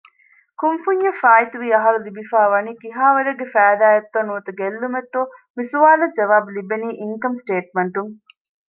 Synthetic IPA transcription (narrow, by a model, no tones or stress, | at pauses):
kumfuɲːɐfaːit̪uʋiːɐɦɐɾulibifaːʋɐniːkiɦaːʋɐɾɐɡːefæːd̪aːjɐt̪ːɐnuːt̪ɐɡelːumet̪ːomisuʋaːlɐd͡ʒɐʋaːbulibeniːʔiŋkɐmsʈeːʈ̚meɳʈuŋ